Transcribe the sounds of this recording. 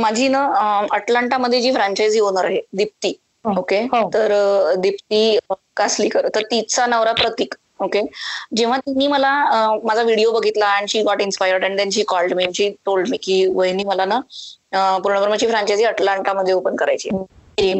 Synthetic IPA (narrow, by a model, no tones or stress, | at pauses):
mad͡ʑʱiːnəəʈlaɳʈaməd̪ʱjed͡ʑiːfɾãɲt͡ɕajd͡zionəɾaɦed̪ip̚t̪iː | ɦokeɦot̪əɾd̪ipt̪iː | kasliːkəɾət̪əɾt̪it͡st͡sanəʋɾapɾət̪iːk | oked͡ʑeʋ̤at̪inːiːməlaəmad͡zʱaʋiɽijobəɡʱit̪laːɽ̃iɕiːɡɔʈinspajəɾɖaɳit̪jaɲt͡ɕiːkɔlʈmiɲt͡ɕiːʈolɖmikiːʋəjniːməlanəəpuɾɳəbəɾmat͡ɕiːfɾãɲt͡ɕajd͡ziəʈlaɳʈaməd̪ʱːjeopənkəɾa̰jt͡ɕḭːee